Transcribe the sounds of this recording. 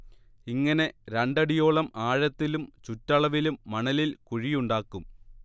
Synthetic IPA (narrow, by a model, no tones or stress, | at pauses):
iŋːɐne̞ɾeɳɖɐɽijo̞ːɭɐmaːɻɐt̪ːilumt͡ɕutːɐɭɐʋilumːɐɳɐlilkuɻijuɳɖaːkːum